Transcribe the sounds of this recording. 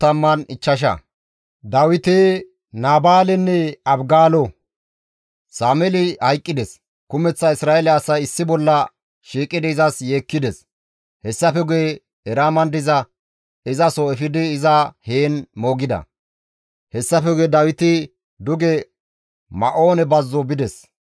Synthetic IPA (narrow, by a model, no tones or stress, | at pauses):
t̪ɐmːɐnɪt͡ʃːɐʃ̬ɐ̰ | d̪ɐwɪt̪ɪ | naːbaːlɛnːɛɐbɡaːlɔ | saːmɛlɪhɐjkʼːɪd̪ɛs | kʊmɛt͡sːɐɪsɾaːɛlɛɐsɐjɪsːɪbɔlːɐ | ʃiːkʼːɪd̪ɪɪzɐsjeːkːɪd̪ɛs | hɛsːɐfɛɡʊe | ɛɾaːmɐnd̪ɪzɐ | ɪzɐsɔɛfɪd̪ɪːzɐheːnmo̞ːɡɪd̪ɐ̰ | hɛsːɐfɛɡʊɛd̪ɐwɪt̪ɪ | d̪ʊɡɛ | mɐʔo̞ːnɛbɐzːɔbɪd̪ɛs